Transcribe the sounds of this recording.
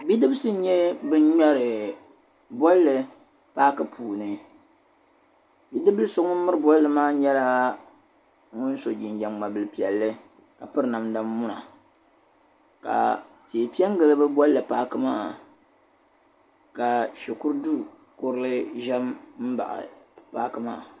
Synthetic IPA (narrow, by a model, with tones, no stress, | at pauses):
bi˦dɨ˦bsɨ˦ɲɛ˦bɨ˦ɲ˦ɲa˦ɾɨ˨ | bɔ˦lːɨ˨ | paː˦kɨ˦pʰuː˨nɨ˨ | bi˦dɨ˦bɨ˦lso˦ŋɔ˦mɨ˦ɾɨ˦bɔ˦lːɨ˨maː˦ɲɛ˦la˦ | ŋʊ˦n˦so˨d͡ʒi˨nd͡ʒa˨ŋma˨bɨ˨lɨ˦pi˨ɛ˨lːɨ˦ | ka˨pɨ˦ɾɨ˨na˨mda˦mːu˦na˨ | ka̰˨ | teː˨pi˦ɛ˦ŋ˦ɡɨ˨lɨ˦bɨ˦bɔ˦lːɨ˨paː˦kɨ˦ma̰ː˦ | ka˨ʃɛ˨kʊ˦ɾdu˦ | kʊ˦ɾlɨ˦ʒɛ˦mm̩˦ba̰˨ʔa̰˨paː˦kɨ˦ma̰ː˦˨